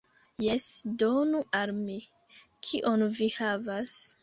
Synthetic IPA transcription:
jesdonuʔalmi | kʰiʔonvihavas

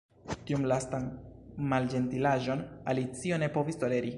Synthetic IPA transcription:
tiumlastanmald͡ʒe̞ntilaʒo̞nalit͡sio̞ne̞po̞visto̞le̞ɾi

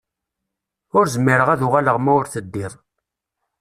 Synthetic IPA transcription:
ʊɾzəmːiɾəʁæðuʁaləʁmæʊɾθəd̪ːiɾˤ

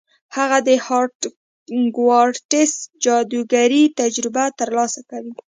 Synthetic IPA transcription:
haɣad̪əhɑɾʈ | ɡwɑɾɽʈɪsd͡ʒɑd̪uɡaɾit̪ad͡ʒɾɪbat̪əɾlɑsakawi

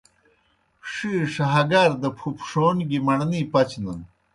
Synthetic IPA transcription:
ʂiːɾʂɐɦɐɡaɾd̪ɐpʰupʂoːnɡimɐɳnipɐt͡ɕnɐn

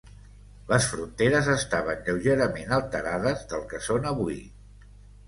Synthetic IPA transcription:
ləsfɾunt̪eɾəzəst̪aβ̞ənʎəwʒeɾəmenəlˠt̪əɾaðəzðəlˠkəsonəβui

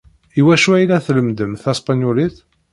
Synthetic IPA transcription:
iwæʃuæjlæθləmd̪əmθæspanjuliθ

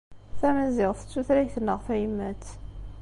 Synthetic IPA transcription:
θæmæzɪʁθə̥t͡sːuθɾæçθənːəʁfæjəmːæt͡sː

